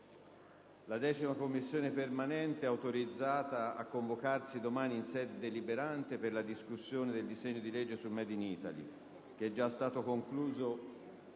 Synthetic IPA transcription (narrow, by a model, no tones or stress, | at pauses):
lad̪ɛːt͡ʃimakomːisːjoːnepermanɛnt̪eɛawt̪oɾid̪zːaːt̪aa̰kːoɱvokarsid̪omaːniːnsɛːd̪ed̪elibeɾant̪eperlad̪iskusːjoːned̪eld̪izɛɲːod̪ilɛd͡ʒːesulmɛːd̪iniːt̪a̰lḭ | k̟eɛd͡ʒːast̪aːt̪okoŋkluːzo